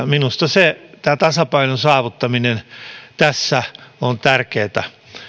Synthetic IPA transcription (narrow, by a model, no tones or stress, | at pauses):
minust̪ɑset̪æːt̪ɑsɑpɑinonsɑːʋut̪ːɑminent̪æsːæont̪ærkeːt̪æ